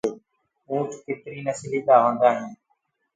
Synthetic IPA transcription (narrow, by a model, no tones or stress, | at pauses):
eː | ũːʈʰkɪt̪ɾiːnəsliːɗ̪aːʋə̃ːnd̪aːɦĩː